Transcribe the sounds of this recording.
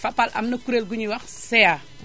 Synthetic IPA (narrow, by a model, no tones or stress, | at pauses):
fapːalʔa̰mnɐkuɾelɡuɲiwaksɛja